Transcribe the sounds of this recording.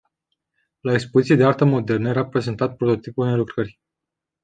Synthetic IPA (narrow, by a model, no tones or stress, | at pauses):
laekspo̞zit̪sijed̪e̞art̪əmo̞d̪e̞rnəje̞ɾapɾe̞ze̞nt̪at̪̚pɾot̪ot̪ipulnelukɾərʲ